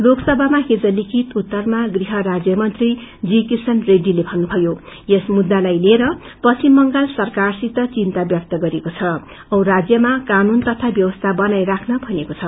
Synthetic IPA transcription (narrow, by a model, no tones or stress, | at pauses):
loksʌbʱamaɦed͡zʌlikʰit̪ut̪ːʌrmaɡriɦʌɾad͡zjʌmʌnt̪rid͡zikirsʌnreɖilebʱʌnːubʱʌjo | esmud̪ːalajleɾʌ | pʌsimːʌŋɡalsʌrkarsit̪ʌt͡sint̪abjʌk̚t̪ʌɡʌɾekot͡sʰʌ | ʌwɾad͡zjʌmakanunt̪ʌt̪ʰabjʌwʌst̪ʰabʌnajrakʰnʌbʱʌnekot͡sʰʌ